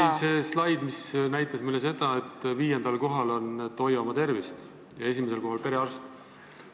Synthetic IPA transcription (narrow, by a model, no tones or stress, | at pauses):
seːslɑjd̪̥misnæjt̪ːˑɑsmujlːes̬e̞d̪̥ɑe̞t̪ːˑviːjend̪̥ɑlko̞ɦɑlo̞nt̪o̞jvɑmɑt̪e̞rvist̪ | jɑe̞s̬ʲimeselko̞ɦɑlpe̞ɾeɑrst̪